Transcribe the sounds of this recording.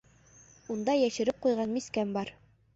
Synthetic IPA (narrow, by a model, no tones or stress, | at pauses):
und̪ɑjæʃɘ̆ɾɘp̚qujʁɑnmiskæmbɑɾ